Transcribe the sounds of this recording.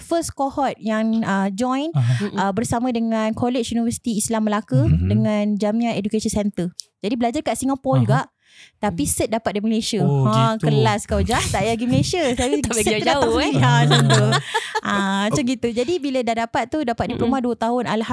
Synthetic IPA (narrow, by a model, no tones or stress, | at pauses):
fəskohɔt̪̚jaŋəd͡ʒɔ̃jnəbərsamãdəŋãnkolet͡ʃunivərsi̥t̪iːslamːəlakədəŋãnd͡ʒamĩãnedukesisɛnt̪ərd͡ʒadibəlad͡ʒarkaʔsiŋapɔld͡ʒuɡaʔ | t̪apisət̪̚dapat̪̚diməlesiəãkəlaskawd͡ʒat̪aʔjaɡiməlesiəaiaiasət̪uaat͡ʃaŋɡit̪ud͡ʒadibilədahdapat̪̚ːudapat̪̚dipəɾumaduət̪aɦʊnalha